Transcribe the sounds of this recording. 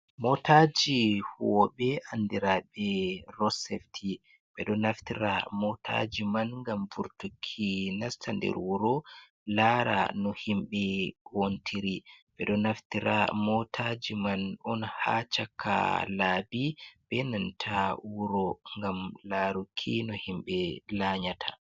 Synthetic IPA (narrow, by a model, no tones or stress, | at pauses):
mɔtad͡ʒihuwɔɓɛʔandiɾaɓɛɾɔsɛftʰi | ɓɛɗɔnaftiɾa̰mɔtʰa̰d͡ʒimanŋɡamvuɾtukʰːinastʰandɛ̰ɾwuɾɔ | laɾa̰nɔhimɓɛkontʰiɾiɓɛɗɔnaftiɾamɔtʰad͡ʒimanɔnha̰t͡ʃakʰːa̰laːbib̥ɛnantʰawuɾɔŋɡamlaɾukʰːinɔhimɓɛlaɲatʰḁ